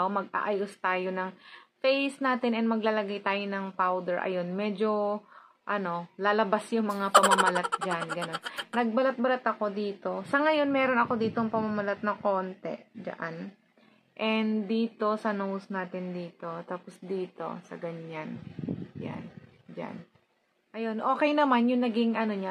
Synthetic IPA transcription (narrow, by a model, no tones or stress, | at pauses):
mɐɡ̚ʔa̰ʔɐjost̪aːjo̞nɐŋfejsnaːt̪ɪnɛnmɐɡlaːlɐɡajt̪aːjonɐŋpawd̪ɛɹʔɐ̰jo̞nmɛːd͡ʒo̞ | ʔɐno̞laːlɐbasjʊŋmɐŋapɐmɐmɐlat̪̚d͡ʒanɡɐnonɐɡ̚bɐlat̪̚bɐlat̪ɐko̞d̪iːt̪o̞sɐŋɐjo̞nmɛːɾonɐko̞d̪iːt̪oŋpɐmɐmɐlat̪̚nɐko̞ːnt̪ɛ̰d͡ʒɐ̰ʔan | ʔɛnd̪iːt̪o̞sɐnowsnaːt̪ɪnd̪iːt̪o̞t̪aːposd̪iːt̪o̞̰sɐ̰ɡɐɲanja̰n | d͡ʒa̰n | ʔɐjo̞nʔo̞ːkɛjnɐmanjʊŋnɐɡɪŋɐno̞ɲa